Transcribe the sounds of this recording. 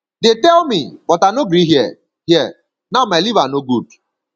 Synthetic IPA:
dɪtɛlmibɔtanoɡɾiɦjɛ | hjɛ | namalivanoɡud̚

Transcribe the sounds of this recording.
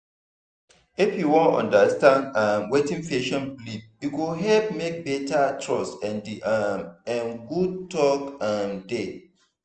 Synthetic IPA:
ifjuwɔ̃nɔ̰̃ndastãndãmwetĩŋfeʃɔ̃nblip̚jukuɦɛlp̚mek̚bɛtatʰɹɔsɛ̃ndi | ɛ̃nɡud̚tɔkãmde

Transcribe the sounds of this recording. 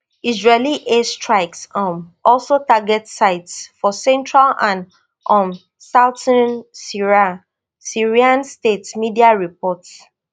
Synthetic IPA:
izɹeliʔestɹaɪksɔ̃mɔlsotaɡɛtsaɪtsfɔsɛ̃ntɹalãn | ʔɔ̃m | saʊtə̃nsiɹa | siɹiãnstetmidiaɹipɔts

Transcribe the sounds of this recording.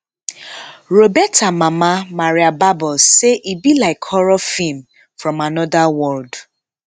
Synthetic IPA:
ɾobɛtamamamaɾjababɔseʔibilaɪkhɔɾɔfim̩ | fɾɔmanɔdawɔld

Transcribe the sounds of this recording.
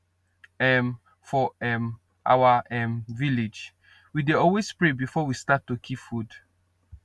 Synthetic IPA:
ɛm | fɔɛm | ʔa̰waɛmviled͡ʒ | wideɔlwespɹebifɔwistatːukʰipfud

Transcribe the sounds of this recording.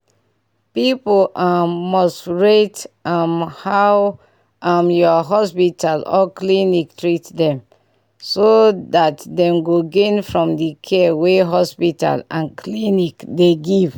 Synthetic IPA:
pipolʔaːɔstɹetamhaw | amjɔɦɔspitʰalɔ̰kliniktɹitdɛ̃m | sodatdɛ̃mɡoɡẽnfɹɔ̃mdikʰɛweɦɔspita̰lãnkʰlinikdeɡiv

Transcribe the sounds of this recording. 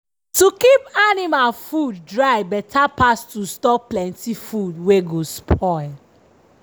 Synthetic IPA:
tukipanimalfudːɹaɪbɛtʰapastustɔplɛ̃ntifudweɡospʰɔɪl

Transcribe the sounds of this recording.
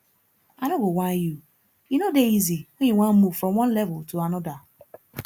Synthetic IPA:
anoɡowãnju | jinodeiziɔĩwʷãnmuv̥fɾɔ̃mwɔ̃nlɛvʊltʰuanɔda

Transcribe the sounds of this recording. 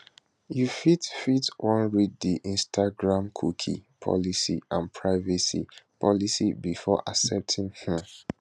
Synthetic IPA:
jufitfitwɔ̃nɹiddiʔĩnstʰaɡɹãmkʰukʰḭpʰɔ̰lisḭãnpʰɹaɪvɛsḭpʰɔlisibifɔʔasɛp̚tʰĩŋhi

